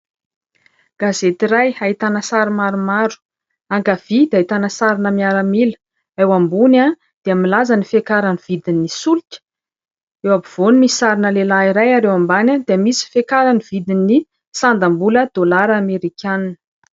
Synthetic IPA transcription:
ɡ̥azet̪iɾajait̪anəsaɾimaɾumaɾu̥ | aŋɡav̥id̪ait̪anəsaɾinəmiaɾəmilə̥ | ewambuna | d̪̥eəmilazanifekaɾaniv̥id̪inisulitə̥ | ewabiv̥onimisi̥saɾinəlelaiɾajaɾewambanad̪eəmisi̥fekaɾanivid̪inːi | sand̪ambuləd̪̥olaɾameɾikʲʰaninə̥

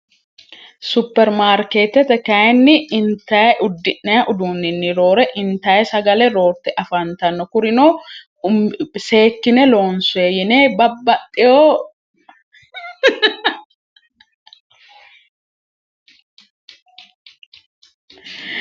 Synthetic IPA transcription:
sʊpːɛɾmaːɾkeːt̪ːɛt̪ɛkɐɛnːɪɪnt̪ɐjɛʔʊd̪ːɪʔːɛjɐʔʊd̪uːnːɪnːɪɾoːɾɛʔɪnt̪ɐɛsɐɡɐlɛɾoːɾt̪ɛʔɐfɐnt̪ɐnːɔkʊɾɪnoː | se̞ːkːɪnɛlo̞ːnsʊeːjɪneːbɐbːɐt̪ʼːɪjoː

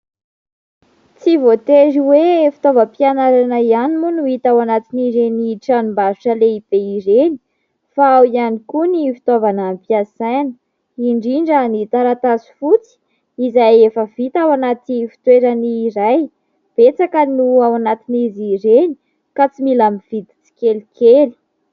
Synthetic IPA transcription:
t͡sivot̪eɾiwefi̥t̪ovəpianaɾanaianimunuit̪awanat̪iniɾeniʈ͡ʂanumbaɾuʈ͡ʂəleib̥eiɾeni | faawianikunifi̥t̪ovanampiasajnə | iɳɖ͡ʐiɳɖ͡ʐənit̪aɾat̪azu̥fut͡si̥ | izajefəvit̪awanat̪ifi̥t̪weɾəniːɾaj | b̥et͡sakənuawanat̪iniziɾeni̥ | kat͡similamiv̥id̪i̥t͡si̥kʲelikʰeli̥

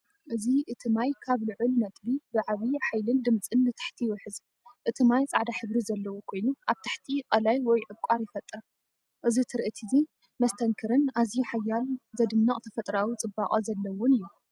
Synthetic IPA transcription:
ʔɨziʔɨt̪ʰɨmajkʰaβlɨʕʊlnɐt̪ʼbibɨʕaβiħajlɨnd̪ɨmt͡sʼɨnbɨt̪ʰḁħt̪ʰiwɔħɨz | ʔɨt̪ʰimajt͡sʼaʕd̪aħɨβɾizɐlːɐwukʰo̞jnuʔaβt̪ʰḁħt̪ʰikʼɐlajwɔjʕɨβkʷʼaɾjɪfɐt̪ʼːɨɾ | ʔɨzit̪ʰɨɾʔɨt̪ʰizi | mɐst̪ʰɐŋkʰɨɾɨnazjuħajːalzɐd̪ɨnːɐχʼt̪ʰɐfɐt̪ʼɾawit͡sʼɨbːaχʼɐzɐlːɐwɔnɨjːu

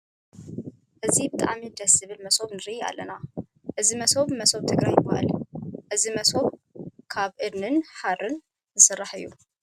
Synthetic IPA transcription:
ʔɨzibɨt̪ʼa̰ʔamid̪ɐsɨβɨlmɐsoβnɨɾija̰lːɐna | ʔɨzimɐso̞βmɐso̞βt̪ʰɨɡɾajɨbːaha̰lʔɨzimɐsoβkʰaβʔɨd̪nɨnħarːɨn | zɨsɨrːaħɨ̰jːu

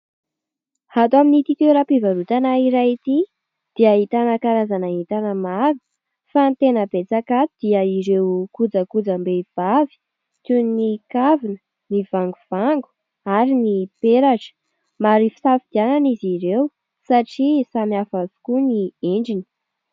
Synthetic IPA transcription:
hat̪uaminit̪it̪eɾapivaɾut̪anaiɾait̪i | d̪̥iəɦit̪anəkaɾazanaɦit̪anəmaɾu̥ | fant̪enəbet͡sakat̪ud̪̥iəiɾewkud͡zəkud͡zəmbev̥avi̥ | t̪unnikavinə | nivaŋɡuv̥aŋɡu̥ | aɾinipeɾaʈ͡ʂə̥ | maɾifi̥safid̪iananiziɾew | saʈ͡ʂisamiafazu̥kunieɳɖ͡ʐini̥

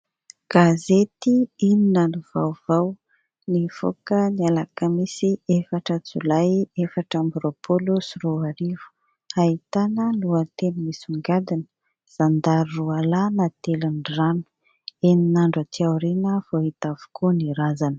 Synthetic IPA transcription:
ɡ̥azet̪iininənuvawv̥aw | nifo̰kənialakəmisiefaʈ͡ʂət͡sṵlajefaʈ͡ʂambɾopʰolosroaɾivu̥ | ait̪anəluət̪enimisuŋɡad̪inə̥ | z̥and̪aɾrualanat̪elanranu̥ | eninaɳɖ͡ʐət̪ʰiawɾinəvoɦit̪avu̥kuniɾazanə̥

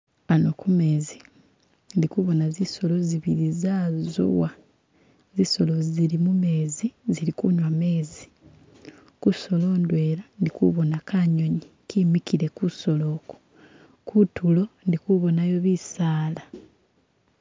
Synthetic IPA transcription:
ano̞kumeːzi | ndikuβo̞naziso̞lo̞ziβiɾizaːzo̰wa | ziso̞lo̞ziɾimume̞ːziziɾikuɲwame̞ːzi̥ | kuso̞lo̞ːndwe̞ːɾandikṵβo̞nakaɲo̞ɲi | kimikiɾe̞kuso̞lo̞ːko̥ | kutulo̞ndikuβo̞najo̞βisaːla

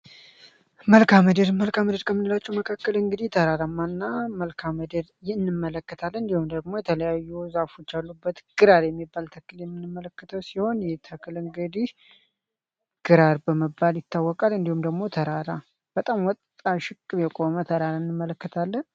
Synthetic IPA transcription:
məlkʰaməd̪əd̪məlkaməd̪əɾkʰəmːɨnd̪ɨlat͡ʃːɛwməkʰakːəlɨŋɡɨd̪it̪ʰəɾaɾamːanːaməlkʰaməd̪əd̪jɪɨnːɨmːələkːət̪ʰalːɨnd̪ihumd̪əɡ̚mo̞jɛt̪ʰələjajːuzafo̞t͡ʃːalːubːət̪ɡ̥ɨɾaɾjɛmːibːalt̪ʰəkːɨljɛmːɨnːɨmːələkːət̪ʰəwsiho̞njɛt̪ʰəkʰɨlɨŋɡɨd̪ih | ɡ̥ɨɾaɾbəməbːaljɪt̪ʰːawːɔkʼalɨnd̪ihumd̪əɡmo̞t̪ʰəɾaɾa | b̥ət̪ʼamwɔt̪ʼːaʃɪkʼːɨβjɛkʼo̞mət̪ʰəɾaɾaɨnːɨmːələkːət̪ʰalːən

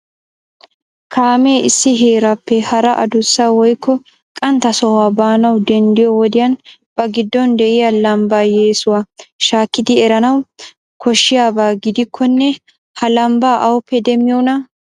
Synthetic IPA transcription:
kʰaːme̞ːʔɪsːɪɦe̞ːɾɐpːɛhɐɾɐʔɐd̪ʊsːawɔjkʰːɔ | kʼɐnt̪ɐsɔwaːbaːnɐwd̪ɛnd̪ɪjɔwɔd̪ɪjɐn | b̥ɐɡɪd̪ːɔnd̪ɛʔɪjɐlɐmbaːje̞ːsʊwaʃaːkːɪd̪ɪɛɾɐnɐw | kʰɔʃːɪjaːbaːɡɪd̪ɪkʰːɔnːɛ | hɐlɐmbaːʔɐwɔpːɛd̪ɛmɪjɔːnɐ

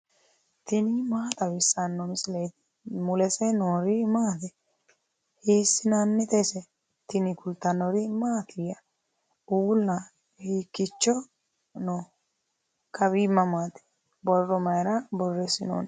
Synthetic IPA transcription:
t̪ɪnimaːt̪ɐbɪsːanːɔmɪslejt̪ɪ̥ | mʊlɛsɛnoːɾimaːt̪ɛ | hiːsːɪnanːɛt̪ɛsɛ | t̪ɪnɪkʊlt̪ɐnɔɾimaːt̪ʰɪjɐ | uːlnɐ | hiːkːɪt͡ʃːɔ | no | kʰɐβimːɐmaːt̪ɛ̥ | bɔrːɔmɐjɾabɔrːɛsɪno̰ːn

